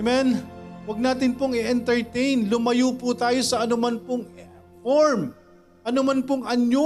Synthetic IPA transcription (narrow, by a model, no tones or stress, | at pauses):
mɛnwɐɡ̚naːt̪ɪnpoŋɪʔɛnt̪ɛɹt̪ɛjnlʊmɐjuːpʊt̪aːjo̞sɐʔɐnʊmanpoŋ | foɹm | ʔɐnʊmanpoŋʔɐɲo